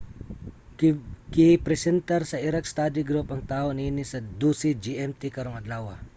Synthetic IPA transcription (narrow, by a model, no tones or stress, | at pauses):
kɪpɾɛsɛnt̪ɐɾsɐʔiɾɐk̚st̪ad̪ɪɡɾupɐŋt̪aːhoniːnɪsɐd̪uːsid͡ʒiʔɛmt̪ikɐɾoŋɐd̪laːwɐ